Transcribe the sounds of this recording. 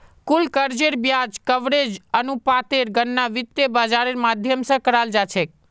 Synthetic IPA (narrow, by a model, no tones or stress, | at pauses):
kulkəɾd͡ʒeɾbjad͡ʒkəʋɾed͡ʒənupat̪eɾɡənːaʋɪt̪jəbad͡ʒaɾeɾmad̪ʱjəmsə̃kəɾald͡ʒat͡ʃʰek̚